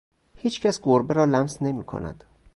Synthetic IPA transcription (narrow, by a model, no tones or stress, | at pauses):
hiːt͡ʃʰcʰæsɡoɾbeɾɒːlæmsne̞miːkʰo̰næ̰d̪̥